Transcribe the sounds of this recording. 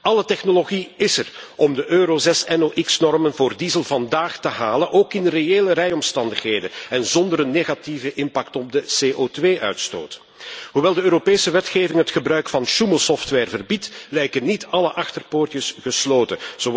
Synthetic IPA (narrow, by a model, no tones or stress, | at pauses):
ɑlətɛxnoloɣiɪsərɔmdəʔøːɾozɛsɛnoʔɪksnɔrmənvoːrdiːzəlˠvɑndaːxtəɦaːlənʔoːkɪnreeːləɾɛjɔmstɑndəxɦeːjdənɛnzɔndəɾənːeːɣativəʔɪmpaktɔb̚dəseːʔoːtʋeːʔœ̰ɥtsto̰ːt | ɦuʋɛlˠdəøːɾopeːsəʋɛtxeːvɪŋɦətxəbɾœɥkfɑnʃuməlˠsɔftʋɛrvərbitlɛjkənːitɑləʔɑxtərpoːrtəsɣəsloːtəz̥o